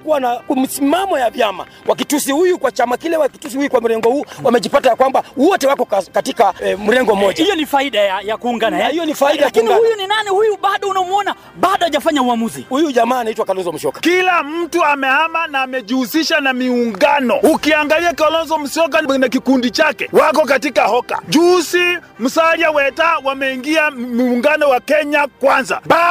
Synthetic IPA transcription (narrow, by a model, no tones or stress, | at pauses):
kuwanam̩simamɔjavjama̰ | wʔak̬itusihujukwat͡ʃamakilɛwakitus̬iujukwam̩ɾɛŋɡɔhuːwamɛʄipatajakwambawɔtɛwakɔkkatikam̩ɾɛŋɡɔm̩ɔʄaijɔnifaiɗajajakuːŋɡanahijɔnifaiɗajakuŋɡɡahujuninanihujuɓaɗɔunamuɔna | ɓaɗɔaʄafaɲauamuzḭhujuʄamaːnaitwakalɔnzɔm̩ʃɔkḁkilam̩tuamɛhamanaːmɛʄusiʃanamiuŋɡanɔukiaŋɡaliakalɔnzɔm̩ʃɔk̬anak̬ikundit͡ʃakɛwak̬ɔk̬atikahɔka̰ʄusim̩saɾiawɛtawamɛiŋɡiamuŋɡanɔwakɛɲakwanza̰ɓa